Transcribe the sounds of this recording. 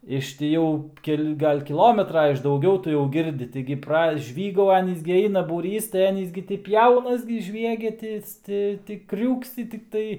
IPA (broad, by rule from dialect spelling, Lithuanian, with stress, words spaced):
ɪʃ tʲɪ ˈjɛʊ ˈkʲɛlʲ ˈɡɐlʲ kʲɪˈlˠoːmʲɛtrɐ ɪʃ dɐʊˈɡʲɛʊ ˈtʊ jɛʊ ˈɡʲɪrʲdʲɪ ˈtɐɪɡʲɪ prɐˈʒʲʋʲiːɡɐʊ ˈɑːnʲiːs ɡʲɪ ˈɐɪnɐ buːˈrʲiːs tɐɪ ˈɑːnʲiːs ɡʲɪ tʲɪ ˈpʲjɛʊnɐs ɡʲɪ ˈʒʲʋʲiɛɡʲɛ ˈtʲɪs ˈtʲɪ ˈtʲiː ˈkrʲuːksʲɪ tʲɪkˈtɐɪ